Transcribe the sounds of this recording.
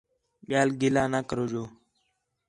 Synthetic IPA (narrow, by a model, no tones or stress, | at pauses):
ɓɪjaːlɡɪlaːnaːkəɾoːd͡ʒoː